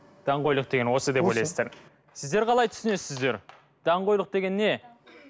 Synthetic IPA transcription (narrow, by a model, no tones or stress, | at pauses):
d̪̥ɑɴqo̞jlˠəqd̪e̞ɡʲenwo̞səd̪epwo̞jlɑjsəzd̪ɑɾ | sɪzd̪eɾqʰɑlˠɑjt̪ʰʏ̥sɪnesɪzd̪e̞ɾ | d̪̥ɑɴqo̞jlˠəq̚d̪e̞ɡʲe̞nːe̞